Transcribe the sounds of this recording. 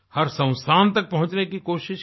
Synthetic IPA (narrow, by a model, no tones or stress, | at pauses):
hɐɾsɐ̃ʊ̃st̪ʰaːnt̪ɐk̚pɐɦʊ̃t͡ʃnekikoːʃɪʃ